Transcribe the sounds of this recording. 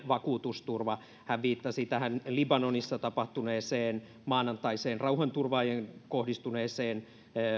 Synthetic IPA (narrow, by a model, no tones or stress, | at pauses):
ʋɑkuːt̪ust̪urʋɑ | hæʋʋiːt̪ːɑsit̪æhænlibɑnonisːɑt̪ɑpɑht̪uneːseːn | mɑːnɑnt̪ɑiseːnrɑuhɑnt̪urʋɑːjeŋkohdist̪uneːseːn